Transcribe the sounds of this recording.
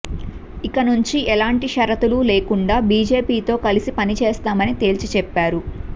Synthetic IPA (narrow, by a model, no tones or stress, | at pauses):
ikɐnuɲt͡ʃiʔɛlaːɳʈiʃɐɾɐt̪ululeːkuɳɖaːbiːd͡ʒe̞ːpiːt̪o̞ːkɐlisipɐnit͡ʃeːst̪aːmɐnit̪e̞ːlt͡ʃit͡ʃɛpːaːɾu